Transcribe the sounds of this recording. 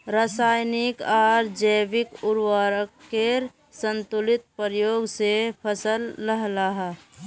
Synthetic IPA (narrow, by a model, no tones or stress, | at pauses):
ɾəsaːjnɪkaɾd͡ʒəbɪkʊɾwaːɾəkːeɾ | sə̃nt̪ʊlɪt̪̚pəɾjoːɡsepʰəsəlːəɦlaɦa